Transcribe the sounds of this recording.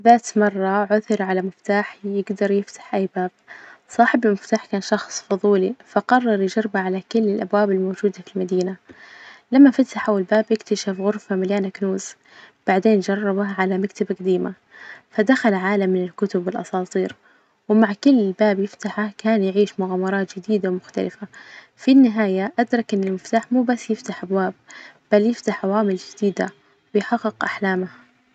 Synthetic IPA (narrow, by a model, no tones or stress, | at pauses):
ðaːt̪mɑrˤːɑʕʊθɪɾʕalamɪft̪aːħjɪɡd̪ɑɾˤjɪft̪ḁħʔajːbaːb̥̚sˤɑːħɪbɪlmɪft̪aːħkaːnʃɑxsˤfʊðˤuːlifaqɑrˤːɑɾˤjɪd͡ʒɑɾˤbaʕalakʊlːɪlʔabwaːbɪlmoːd͡ʒuːd̪afilmad̪iːna | lamːafat̪aħawɪlbaːbʔɪkt̪aʃafɣʊɾfamaljaːnaknuːz | b̥aʕd̪eːnd͡ʒɑrˤːɑbaʕalamakt̪abaqad̪iːma | fad̪axalʕaːlamːɪnɪlkʊt̪ʊbːɪlʔɑ̰sˤɑːt̪ˤiːɾ | wɪmaʕkʊlːɪlbaːbjɪft̪aħakaːnjɪʕiːʃmʊɣaːmɑɾˤɑːt̪d͡ʒɪd̪iːd̪awmʊxt̪a̰lɪfa | finːɪɦaːjaʔad̪ɾˤɑkʔɪnːalmɪft̪aːħmuːbasːjɪft̪aħʔabwaːbb̥aljɪft̪aħʕawaːmɪld͡ʒɪd̪iːd̪a̰ | wɪjħɑɡːɪɡʔaħlaːmah